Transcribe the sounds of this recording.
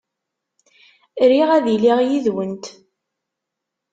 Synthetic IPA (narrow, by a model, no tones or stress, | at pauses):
ɾiʁæðiliʁjiðwənt̪